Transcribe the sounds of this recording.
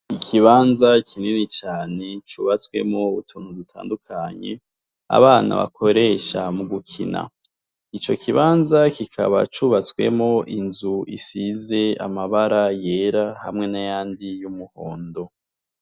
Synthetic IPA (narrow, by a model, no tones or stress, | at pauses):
ikʰiβaːnzakʰininit͡ʃaːne̞t͡ʃuːβat͡swe̞̰mŋo̞utʰuːnudutʰa̰ːndukʰaɲe̞̰ | a̰βaːna̰βa̰kʰo̞ɾe̞ʃamuɡukʰḭna̰ | it͡ʃo̞kʰiβaːnzakikʰa̰βa̰t͡ʃuβat͡swe̞̰mo̞ʔinzuisize̞amaβaɾaje̞ɾahamŋe̞najaːndijumuho̞ːndo̞